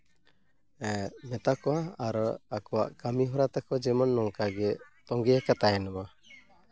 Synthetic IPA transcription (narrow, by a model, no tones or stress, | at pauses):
ɛmɛt̪akɔwaaɾɔakɔwa̰ʔkamiɦɔɾat̪akɔd͡ʒɛmɔnːɔŋkaɡɛt̪ɔŋɡɛakat̪ajnɔma